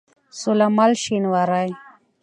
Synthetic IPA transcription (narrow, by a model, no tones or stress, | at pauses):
sulamalʃinwaɾaj